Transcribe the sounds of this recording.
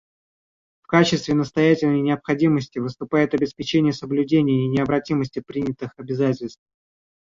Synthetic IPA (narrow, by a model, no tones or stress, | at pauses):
fkat͡ɕɪst̪vʲɪnəst̪ɐjætʲɪlʲnəjnʲɪəpxɐdʲiməsʲtʲɪvɨst̪ʊpajɪt̪ɐbʲɪspʲɪt͡ɕenʲɪjəsəblʲʉdʲenʲɪjəinʲɪəbɾɐtʲiməsʲtʲɪpɾʲinʲɪt̪ɨxɐbʲɪzatʲɪlʲst̪f